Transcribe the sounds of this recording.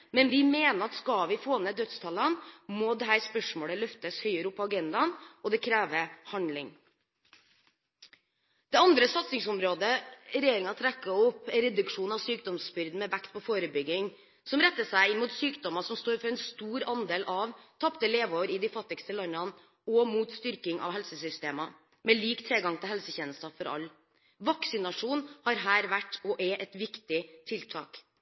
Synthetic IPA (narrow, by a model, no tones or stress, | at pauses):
mɛnʋɪmeːnəɾɑt̪skɑlʋɪfoːnəd̪œt̪st̪ʰɑlənmoːd̪ɛɦæːɾspœʂmoːɭəlœft̪əshœʏəɾʊpːɔɑɡɛnd̪ɑnɔd̪ɛkʰɾæːʋəhɑnlɪŋ | d̪̥ɛɑnd̪ɾəsɑt̪sɪŋsʊmɾoːd̪əɾɛjeːɾɪŋɑt̪ʰɾækːəʊpːɾɛd̪ʉkʂuːnɑʋsyːk̚d̪ɔmsbʏɾd̪n̩mɛʋækt̪̚pʰɔfoːɾəbʏɡɪŋ | sɔmɾɛt̪ːəʂæɪɪnmuːt̪syːkd̪ɔmɑsɔmst̪oːɾfɔɾɛnst̪uːɾɑnd̪eːlʔɑʋt̪ʰɑpt̪əleːʋoːʋəɾɪd̪ɪfɑt̪ːɪkst̪əlɑnɑn | ɔmuːt̪st̪ʏɾkɪŋʔɑ̰ʋɦɛlsəsʏst̪eːmɑ | mɛliːkt̪ʰɾeːɡɑŋt̪ʰɪlhɛlsəçɛːnəst̪ɑfɔɾɑ̰lː | ʋɑksɪnɑʂuːnhɑɾɦæːɾʋæʈːɔʔɛʔɛt̪ʋɪkt̪ɪt̪ʰɪlt̪ʰɑ̰ːk